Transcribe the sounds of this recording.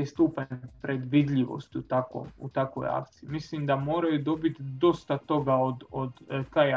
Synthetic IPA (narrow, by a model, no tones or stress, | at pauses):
ist̪uːpaɲepɾed̪ʋid̪ʎʲiʋo̰st̪ut̪ako̰ːmṵt̪akʋo̞̰ja̰kt̪siimislimd̪amo̞ːɾajud̪o̞bit̪d̪o̞st̪at̪o̞ɡao̞d̪od̪kaja